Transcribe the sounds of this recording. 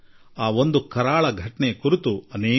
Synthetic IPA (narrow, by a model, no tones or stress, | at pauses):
aːʋond̪ukɐɾaːɭɐɡʱɐʈɐɳekuɾut̪uɐneː